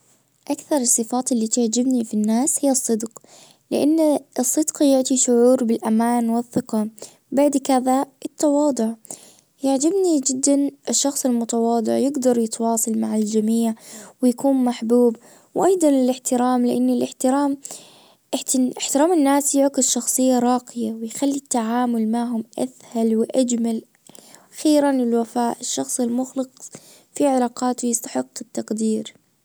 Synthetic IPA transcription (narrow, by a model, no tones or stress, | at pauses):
ʔakθɑɾˤɑsˤːɨfaːt̪ʔɪlːit̪ɪʕd͡ʒɪbnifinːaːshɪjːɨsˤːɨd̪q | lɪ̰ʔanːsˤːɨd̪qɑjʊʕt̪ˤiʃʊʕuːɾbɪlʔamaːnwɪθːɪqɑ | baʕd̪kaðaʔɪt̪ːɑwɑːd̪ˤʊʕ | jaʕd͡ʒɪbnid͡ʒɪd̪ːanɪʃːɑxsˤɪlmʊt̪awɑːd̪ˤʊ̰ʕjɪɡd̪ɑɾˤjɪt̪wɑːsˤɑlmaʕald͡ʒamiːʕwɪjakuːnmaħbuːb | wʔɑjd̪ˤɑnɪlɪħt̪ɪɾaːmlɪʔanːɪlʔɪħt̪ɪɾaːm | ʔɪħt̪ɪʔɪħt̪ɪɾaːmɪnːaːsjɪʕkɪd̪ʃɑxsˤɨjːaɾˤɑːqɪjawɪjxalːit̪ːaʕaːmʊlmaʕɦʊmʔa̰θhalwɪʔad͡ʒmal | xiːɾanɪlwafaːʔɪʃːɑxsˤɪlmʊxlɑq | fiʕɪlaːqɑːt̪wjɪst̪ḁħɪqːɪt̪ːaqd̪iːɾ